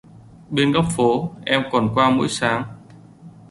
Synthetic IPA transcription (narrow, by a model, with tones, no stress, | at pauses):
ɓe˧nɣɔ˦˥wp̚fo˨˦ʔɛ˧mkɔ˨˩nkwaː˧mṵ˧˥jsaː˨˦ŋ